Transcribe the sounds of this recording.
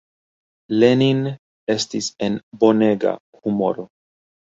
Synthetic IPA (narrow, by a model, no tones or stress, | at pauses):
lenin | e̞stise̞nbo̞ne̞ɡa̰humo̞̰ɾo